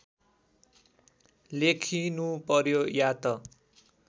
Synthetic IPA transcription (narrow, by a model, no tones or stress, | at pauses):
lekʰinupʌrjojat̪ʌ